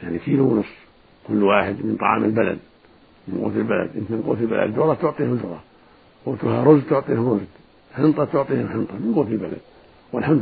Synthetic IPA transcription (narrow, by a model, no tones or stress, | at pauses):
jaʕnikilwnʊsˤː | kʊlːwaːħɪd̪mɪnt̪ˤɑ̰ʕɑ̰ːmʔɪlbala̰d̪̚ | mɪnɡo̰ːt̪ɪlbala̰d̪ʔɪnt̪mɪnɡo̰ːt̪ɪlba̰la̰d̪d̪ʊɾˤɑt̪ʊʕt̪ˤiːhʊd̪ɾˤɑ | wʊt̪uhaɾˤʊzd̪̚t̪ʊʕt̪ˤiːhʊmɾˤʊzd̪ | ħɪnt̪ˤɑt̪ʊʕt̪ˤiːhʊmħɪnt̪ˤɑmɪnɡoːt̪ɪlbala̰d̪̚ | wɪlħamd̪